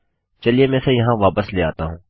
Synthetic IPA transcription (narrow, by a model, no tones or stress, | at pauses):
t͡ʃɐliemɛ̃ːsejɐɦãʋaːpəsleːa̰ːt̪aɦũː